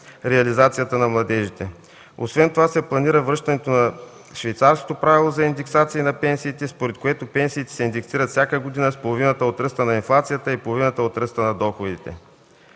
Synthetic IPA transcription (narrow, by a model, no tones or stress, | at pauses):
ɾɛɐlizat̪sijət̪ənɐmlˠɐd̪ɛʒit̪ɛ | o̰svɛnt̪ovasɛplˠɐniɾəvɾɤʃt̪ɐnɛt̪onɐ | ʃvɛjt̪saɾsko̥t̪opɾavilˠozɐind̪ɛksat̪siːnɐpɛnsiːt̪ɛspoɾɛt̪̚koɛt̪opɛnsiːt̪ɛ̥sɛind̪ɛksiɾət̪fsʲakəɡod̪inəspolˠovinət̪əot̪ɾɤst̪ənɐinflˠat̪sijət̪əipolˠovinət̪əot̪ɾəst̪ənɐd̪ɔxod̪it̪ɛ̰